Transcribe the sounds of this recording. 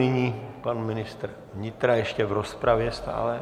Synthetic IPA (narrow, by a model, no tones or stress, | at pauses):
ɪɲiːpanmɪnɪst̪ɾ | vɲɪt̪ɾajɛʃcɛvɾospɾavjɛst̪a̰ːlɛ